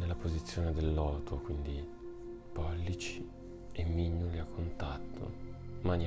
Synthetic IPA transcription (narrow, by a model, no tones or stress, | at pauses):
nelːapozit̪sːjoːned̪elːɔːt̪ʰokwind̪i | pɔlːit͡ʃi̥ | emːiɲːuliakːont̪at̪ʰːo̰mani